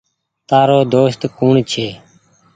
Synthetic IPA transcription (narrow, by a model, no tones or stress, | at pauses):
t̪aːɾoːd̪oːst̪kuːɳt͡ʃʰeː